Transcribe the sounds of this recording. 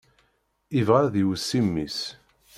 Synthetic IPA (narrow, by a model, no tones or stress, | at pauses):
ivʁaðiwəsːimːis